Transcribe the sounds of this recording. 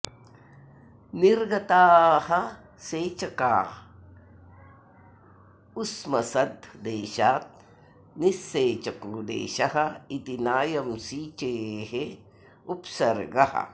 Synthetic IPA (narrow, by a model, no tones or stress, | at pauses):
niɾɡɐt̪aːhɐ | seːt͡ʃɐkaː | usmɐsɐd̪ʱd̪eːʃaːt̪̚ | nisːeːt͡ʃɐkuːd̪ḛːʃɐɦɐ̆it̪inaːjɐmsiːt͡ʃeːɦe | upsɐɾɡɐhɐ̰